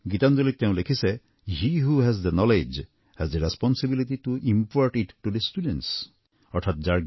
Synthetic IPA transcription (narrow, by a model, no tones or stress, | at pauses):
ɡit̪and͡ʒolit̪̚keʊ̃lekʰise | hiɦuɦɛzd̪enɔled͡ʒ | hɛzd̪eɾespɔnsibiliʈiʈuʔimpaɾʈiʈːud̪esʈuɖẽnʈs | ɔɾtʰat̪̚d͡ʒaɾ